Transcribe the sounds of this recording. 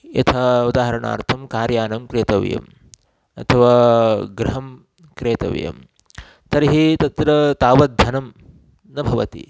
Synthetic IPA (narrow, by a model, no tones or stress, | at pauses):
jɐ̰t̪ʰɐud̪aːɦɐɾɐɳa̰ːɾt̪ʰɐmkaːɾjaːnɐmkɾeːt̪ɐʋ̰jɐ̰m | ɐ̰t̪ʰɐʋaːɡɾɐɦɐm | kɾeːt̪ɐ̰ʋjɐ̰m | t̪ɐɾiɦit̪ɐt̪ɾɐt̪aːʋɐt̪̚ːɐnɐm | nɐbʱɐʋɐt̪ḭ